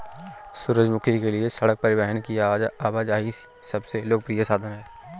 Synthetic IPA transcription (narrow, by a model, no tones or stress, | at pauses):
sʊɾəd͡ʒmʊkʰikelɪesəɽək̚pəɾɪʋɛɦənkiaaːʋaːd͡ʒaːɦi | sɐbseloːɡ̚pɾijəsaːd̪ʱənɦɛː